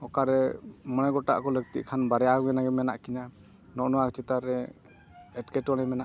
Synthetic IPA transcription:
ɔkaɾɛmənɛɡɔʈa̰ʔkɔləɡ̚t̪ḭʔkʰanbaɾɛjaɛnaɡɛmɛnaʔkina | nɔʔnɔwakt͡ʃɛt̪aɾɛ | ɛʈkɛʈɔɽ̃ɛmɛnaʔ

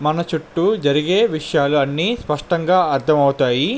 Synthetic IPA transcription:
mɐnɐt͡ʃuʈːud͡ʒɐɾiɡe̞ːʋiʂɐjaːluɐnːiːspɐʂʈɐŋɡaːɐɾt̪ʰɐmɐwt̪aːji

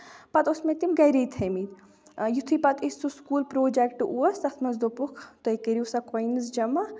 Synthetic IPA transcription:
pɐt̪usmet̪imɡɐɾijt̪ʰɐmit̪ | jut̪ʰipɐt̪isuskuːlpɾoːd͡ʒekʈɨʔuɐsɐt̪ʰmɐzd̪opukʰt̪ojkeɾiusɐkojnɨzd͡ʒɐmɐ

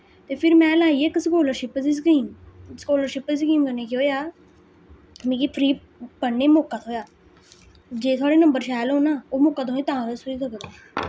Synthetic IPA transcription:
t̪eːpʰɪɾmɛ̃ːlaːiːekskoːləɾʃɪpsis̬kiːmskoːləɾʃɪpiːs̬kiːmkəneːkːoːjaː | mĩːkiːpʰɾiː | pəneːmoːkːaːt̪ʰoːjaː | d͡ʒeːt̪ʰaːɽeːnəmbəɾʃaːlɦõːnaːoːmoːkːaːt̪ʰoːeːt̪ãːɾəsʊɾiːk̪əkeɡaː

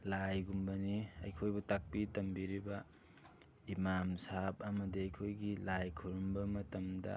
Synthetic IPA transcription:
lajɡumbɐniɐ̰jkʰojbutak̚pitɐmbiɾibɐ | imamsap̚ɐmɐdiɐjkʰojɡilajkʰuɾumbɐmɐtɐmdɐ̰

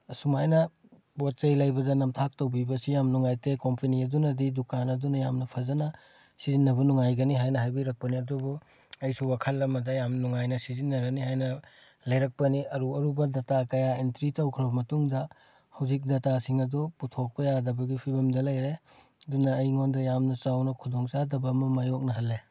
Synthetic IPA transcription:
sumajnɐ | bot̚t͡ʃɐjlɐjbɐdɐnɐmtʰak̚towbibɐsijamnuŋajtekompʰɐniɐdunɐdidukanɐdunɐjamnɐpʰɐzɐnɐ | sizinːɐbɐnuŋajɡɐniɦajnɐɦajbijɾɐk̚pɐniɐdubu | ɐjsuwakʰɐlːɐmɐdɐjamnuŋajnɐsizinːɐɾɐniɦajnɐ | lɐjɾɐk̚pɐniɐɾuɐɾubɐdɐtakɐjaentɾitawkʰɾbɐmɐtuŋdɐ | hɐwzik̚dɐtasiŋɐduputʰok̚pɐjadɐbɐɡipʰibɐmdɐlɐjɾe | ɐdunɐːjŋondɐjamnɐt͡ʃawnɐkʰudoŋsadɐbɐmɐmajok̚nɐɦɐlːe

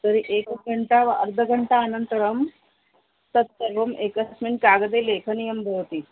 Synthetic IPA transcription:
t̪əɾiʔekɡʱəɳʈaʋaʔəɾd̪ʱəɡʱəɳʈaənənt̪əɾəm | t̪ət̪ːəɾʋəmekəsminkaɡəd̪elekʰənijəmbʱəɾt̪iː

